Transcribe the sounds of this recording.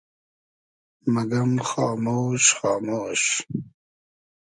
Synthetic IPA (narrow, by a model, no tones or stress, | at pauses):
mɐɡɐmxɑːmoːɕχɑːmoːɕ